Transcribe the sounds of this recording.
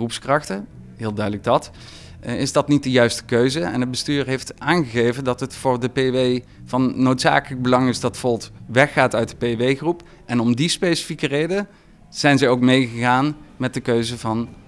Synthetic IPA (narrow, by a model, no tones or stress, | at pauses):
rupskrɑχtə | ɦɪːlˠdœɥdələɡ̚dɑt | ɪzdɑtnit̚dəjœɥstə̥køɥzəɛ̰nɦət̚bəstyːɹɦejftʔaːnχəɣejvəndɑtɦətfʊːɹdəpeʋej | vɑnːowtsa̰ːkələɡ̚bəlɑŋɪzdɑtfɔlˠtʋɛxːaːtœɥt̚dəpeʋejχrup | ʔɛnɔmdispejsə̥fikərejdə | z̥ɛjnzɛjowk̚mejχəɣaːnmɛt̚dəkøɥzəvɑn